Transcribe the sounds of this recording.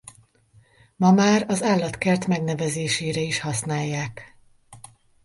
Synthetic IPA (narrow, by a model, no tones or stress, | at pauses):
mɒmaːɾɒzaːlːɒt̪kɛrt̪mɛɡn̪ɛvɛzeːʃeːɾɛiʃhɒsnaːjːaːk